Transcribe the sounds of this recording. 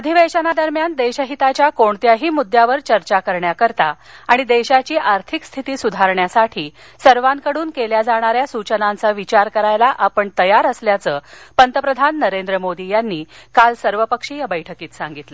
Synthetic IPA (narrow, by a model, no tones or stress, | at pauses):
əd̪ʱiʋəɕənad̪əɾmjand̪eɕəɦit̪at͡ɕjakoɳt̪jaɦiːmud̪ʱjaʋəɾt͡ɕəɾt͡ɕakəɾɳjakəɾt̪aaɽ̃id̪eɕat͡ɕiːʔaɾt̪ʰikst̪ʰit̪iːsud̪ʱaɾɳjasaʈʰiː | səɾʋankəɽuːnkeljad͡zaɽ̃aɾjasut͡ɕənant͡saʋit͡ɕaɾkəɾajlaʔapəɳt̪əjaɾəsljat͡səːpənt̪əpɾəd̪ʱanːəɾend̪ɾəmod̪ijanːiːkalsəɾʋəpəkʂijabəjʈʰəkiːt̪saŋɡit̪lə